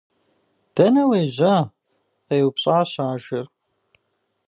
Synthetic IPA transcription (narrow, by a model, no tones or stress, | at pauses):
d̥ɐnɐweːʑa | ejwpɕʼaːɕaːʒɪr